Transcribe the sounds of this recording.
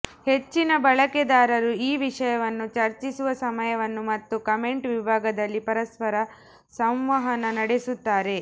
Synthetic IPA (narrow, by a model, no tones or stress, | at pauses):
he̞t͡ʃːinɐbɐɭɐked̪aːɾɐɾuiːʋiʂɐjɐʋɐnːut͡ʃɐɾt͡ʃisuʋɐsɐmɐjɐʋɐnːumɐt̪ːukɐme̞ɳʈʋibʱaːɡɐd̪ɐlːipɐɾɐspɐɾɐ | sɐmʋɐɦɐnɐnɐɽesut̪ːaːɾe̞